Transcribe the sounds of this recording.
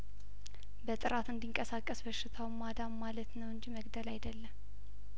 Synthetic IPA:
bət̪ʼɨɾat̪ɨnd̪iŋkʼəsakʼːəsbəʃːɪt̪ʰawmad̪amːalət̪nəwɨnd͡ʒiməɡd̪əlajd̪əlːəm

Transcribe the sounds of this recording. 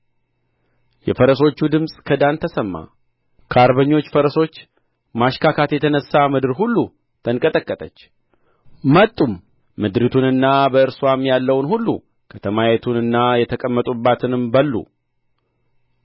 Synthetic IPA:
jɛfəɾəso̞t͡ʃːud̪ɨmsʼkʰəd̪ant̪ʰəsəmːa̰ | kʰaɾbəɲːo̞t͡ʃːfəɾəso̞t͡ʃː | maʃkʰakʰat̪jɛt̪ʰənəsːamɨd̪ɨɾɦulːu | t̪ʰənkʼət̪ʼəkʼːət̪ʼət͡ʃː | mət̪ʼːumː | ɨd̪ɾit̪ʰunɨnːabəɨɾswamjalːəwnɦulːṵ | kʰət̪ʰəmajet̪ʰunɨnːajɛt̪ʰəkʼəmːət̪ʼubːat̪ʰɨnɨmbəlːṵ

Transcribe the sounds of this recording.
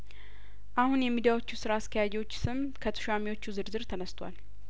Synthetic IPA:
ʔahunjɛmid̪ijawo̞t͡ʃːusɨɾaːsk̪ʰəjad͡ʒɛwo̞t͡ʃːsɨm | kʰət̪ʰɨ̥ʃamiwo̞t͡ʃːuzɨɾzɨɾt̪ʰənəst̪ʰwa̰l

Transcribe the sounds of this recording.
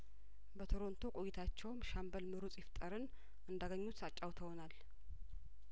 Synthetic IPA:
bət̪ʰoɾo̞nt̪ʰokʼojit̪ʰat͡ʃːɛwmʃambəlmɨɾut͡sʼjɪft̪ʼəɾɨn | ʔɨnd̪aɡəɲːut̪at͡ʃʼawt̪ʰəwonal

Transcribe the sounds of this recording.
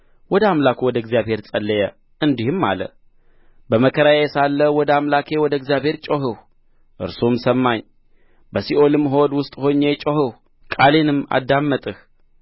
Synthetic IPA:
wɔd̪əamlakʰwɔd̪əɨɡzjaβhe̞ɾt͡sʼəlːəjɛ | ɨnd̪ihɨmːa̰lə̰ | bəməkʰəɾajɛsalːəwɔd̪amlakʰe̞wɔd̪əɨɡzijaβhe̞ɾt͡ʃʼoɦɨh | ʔɨ̰ɾsomsəmːaɲ | bəsiʔo̞lɨmːɦo̞d̪wʊst̪ʼho̞ɲːet͡ʃʼohɨh | kʼalenɨmːa̰d̪ːamːət̪ʼɨh

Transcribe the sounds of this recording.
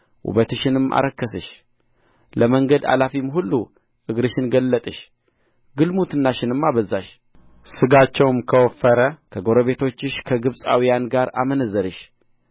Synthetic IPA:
ʔṵβət̪ɨʃɪnɨmːʔa̰ɾəkːəsɨʃ | ləməŋɡəd̪a̰lafimɦulːu | ʔɨɡɾɨʃɪnɡəlːət̪ʼɨʃ | ɡɨlmut̪ɨnːaʃɪnɨmːaβəzaʃ | sɨɡat͡ʃːɛwmkʰəwɔfəɾəkʰəɡo̞ɾəβe̞t̪ʰo̞t͡ʃːɪʃkʰəɡɨβsʼa̰wijanɡaɾa̰mənəzəɾɨʃ

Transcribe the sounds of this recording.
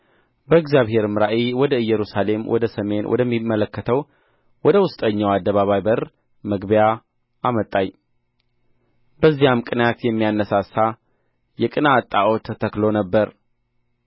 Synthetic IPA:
bəɨɡzijaβhe̞ɾmɨɾaʔiwɔd̪əɨjːɛɾusale̞mwʔɔ̰d̪əsəme̞nwʔɔ̰d̪əmːimːələkːət̪ʰəw | wɔd̪əwʊst̪ʼəɲːawad̪ːəβaβajbər | məɡbja | ʔamət̪ʼːaɲː | bəzːijamkʼɨnjat̪jɛmːijanːəsasa | jɛkʼɨnat̪ʼːaʔot̪ʰːət̪ʰəklonəbːəɾ

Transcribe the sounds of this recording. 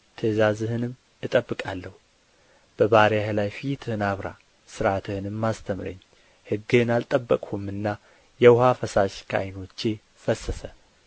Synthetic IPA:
t̪ʰəzazɨhɨnɨm | ɨt̪ʼəbːɨkʼalːəhu | b̥əβaɾjahlajfit̪ʰɨhɨnaβɾa̰ | sɨɾat̪ʰɨhɨnɨmːast̪ʰəmɾə̰ɲː | hɨɡːɨnalt̪ʼəbːəkʼhumɨnːa | jɛwʊhafəsaʃkʰa̰jno̞t͡ʃːe̞ | fəsːəsə

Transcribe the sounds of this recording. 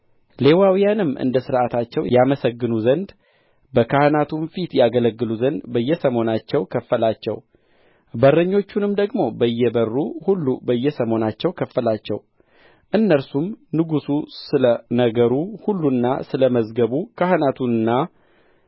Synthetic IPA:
le̞wawijanɨmːʔɨ̰nd̪əsɨɾʔat̪ʰat͡ʃːɛwjaməsəɡːɨnuzənd̪ | bəkʰahnat̪ʰunfit̪jaɡələɡːɨluzənd̪bəjːɛsəmo̞nat͡ʃːɛwkʰəfːəlat͡ʃːɛ̰w | bərːəɲːo̞t͡ʃːunɨmd̪əɡmo̞bəjːɛbərːuhulːubəjːɛsəmo̞nat͡ʃːɛwkʰəfːəlat͡ʃːɛ̰w | ʔɨnːəɾsumnɨɡususɨlənəɡəɾuhulːunːa̰sɨləməzɡəβukʰahɨnat̪ʰunɨnːa

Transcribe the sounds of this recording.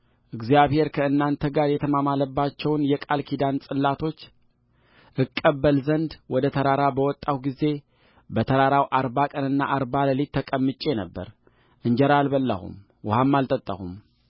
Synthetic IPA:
ʔɨɡzijaβhe̞ɾkʰəɨnːant̪ʰəɡaɾjɛt̪ʰəmamaləbːat͡ʃːɛwnjɛkʼalkʰid̪ansʼɨlːat̪ʰo̞t͡ʃː | ʔɨkʼːəbːəlzənd̪wɔd̪ət̪ʰəɾaɾabəwɔt̪ʼːawɡize̞ | bət̪ʰəɾaɾawʔaɾbakʼənɨnːaʔaɾbaləlit̪ʰːəkʼəmːɨt͡ʃʼːe̞nəbːə̰ɾ | ʔɨɲd͡ʒɛɾalbəlːə̰hṵm | wʊhamːalt̪ʼət̪ʼːə̰hṵm

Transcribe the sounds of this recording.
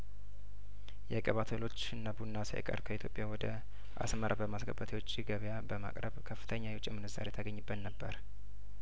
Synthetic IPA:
jɛkʼəβat̪ʰəlo̞t͡ʃːɨnːabunːasa̰jə̰kʼə̰ɾkʰəit̪ʰjo̞pʼjawɔd̪ə | ʔa̰sməɾʔabəmasɡəbət̪ʰewo̞t͡ʃʼːiɡəβjabəma̰kʼɾəβkʰəfːɨ̥t̪ʰəɲːajɛt͡ʃʼɛmɨnɨza̰ɾjɛt̪ʰəɡəɲːɨbːət̪nəbːəɾ

